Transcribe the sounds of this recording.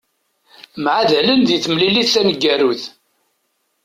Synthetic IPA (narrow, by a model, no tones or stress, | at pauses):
mʕaðælənðiθmliliθːænəɡːæɾuθ